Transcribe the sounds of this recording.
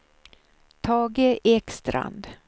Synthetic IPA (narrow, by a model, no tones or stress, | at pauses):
t̪ʰɑːɡeʔɛkst̪ɾa̰nd̪